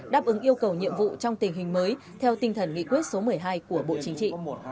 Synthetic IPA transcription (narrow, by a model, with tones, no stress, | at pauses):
ɗaː˦˥p̚ʔɨ˨˦ŋʔi˧əwkə˨˩wɲḭ˧˨əmvṵ˧˨t͡ɕɔ˧wŋ͡mt̪ï˨˩ŋ̟ɦï˨˩ŋ̟məː˨˦j | t̪ʰɛ˧wt̪ï˧ŋ̟t̪ʰə˧˩nŋḭ˧˨kwi˦˥ət̚so˨˦mɨ˨˩əjɦaː˧jku˧˩əɓo̰˧˨t͡ɕi˨˦ŋ̟t͡ɕḭ˧˨